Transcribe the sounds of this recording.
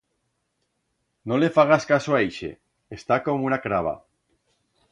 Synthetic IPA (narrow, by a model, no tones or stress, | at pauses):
nolefaɣ̞askasoaiʃḛ | est̪akomunakɾaβ̞a̰